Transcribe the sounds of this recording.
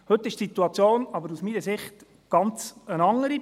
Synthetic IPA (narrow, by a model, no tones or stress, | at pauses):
hɵt̪ːɪʃtsit̪uɑt͡sjoːnɑbəɾusminəsɪχt | ɡ̥ɑnt͡sənɑŋːəɾi